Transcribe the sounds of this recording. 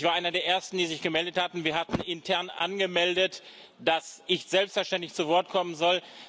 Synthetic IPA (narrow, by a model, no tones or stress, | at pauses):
çv̥aːɐʔaɪnɐdeːɐʔeːɐstn̩diːzɪçɡ̥əmɛldəthatn̩viːɐhatn̩ɪntʰɛɐnʔa̰nɡəmɛldət | d̥asɪçtz̥ɛlpstfɛɐʃtɛntlɪçt͡suvɔɐt̚kʰɔmənzɔl